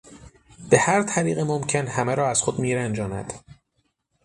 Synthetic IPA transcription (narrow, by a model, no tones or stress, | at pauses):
b̥e̞hæɾt̪ʰæɾiːɣemomcʰe̞nhæmeɾɒːæz̥xod̪miːɾænd͡ʒɒːnæ̰d̪̥